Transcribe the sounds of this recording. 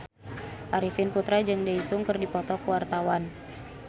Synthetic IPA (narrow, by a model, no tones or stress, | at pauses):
ʔaɾifinput̪ɾad͡ʒɨŋdaisʊŋkɨrdipɔt̪ɔkəwart̪awan